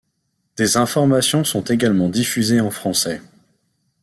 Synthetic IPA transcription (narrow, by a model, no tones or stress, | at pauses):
d̪̥ezɛ̃fɔʁmasjɔ̃sɔ̃t̪eɡalmɑ̃d̪ifyzeɑ̃fχɑ̃sɛ